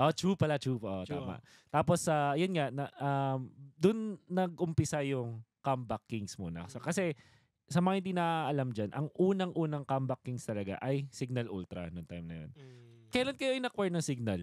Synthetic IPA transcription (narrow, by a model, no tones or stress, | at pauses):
ʔot͡ʃuːpɐlat͡ʃupʔot̪a̰ːma̰ʔ | t̪aːposajonŋaʔnɐʔamd̪ʊnːɐɡʔʊmpɪsajʊŋkambɐkːɪŋsmṵːnɐ̰skɐsɛ | sɐmɐŋːhɪnd̪inɐʔʔɐlamd͡ʒanʔɐŋʔuːnɐŋʔuːnɐŋkambɐkːɪŋst̪ɐlɐɡa̰ʔɐjsɪɡ̚nɐlʔult̪ɾɐ̰nʊŋt̪ajmnɐ̰jo̰nkɐjlɐnkɐjoʔɐjnɐkwɛɹnɐŋsɪɡ̚nɐl